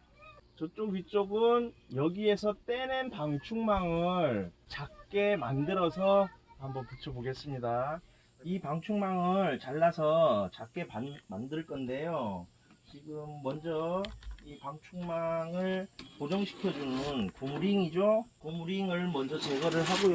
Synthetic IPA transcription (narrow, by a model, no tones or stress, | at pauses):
t͡ɕʌt͡ɕ͈oɡɥit͡ɕ͈oɡɯnjʌɡie̞sʰʌt͈e̞nɯnpaŋt͡ɕʰuŋmaŋɯɭt͡ɕak̚k͈e̞mandɯɾʌsʰʌhambʌnpɯt͡ɕʰʌboɡe̞s͈ɯmɲida | ipaŋt͡ɕʰuŋmaŋɯɭt͡ɕaɭːasʰʌt͡ɕak͈e̞panmandɯɭk͈ʌnde̞jo | t͡ɕiɡɯmːʌnd͡ʑʌipaŋt͡ɕʰuŋmaŋɯɭkod͡ʑʌŋɕʰi̥kʰjʌd͡ʑunɯnkomuɾiŋid͡ʑokomuɾiŋɯɭmʌnd͡ʑʌt͡ɕeɡʌɾɯɭɦaɡoj